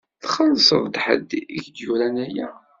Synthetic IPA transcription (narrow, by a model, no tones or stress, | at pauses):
θχəlsˤəvd̪ħə̰d̪içd̪juɾænæjæ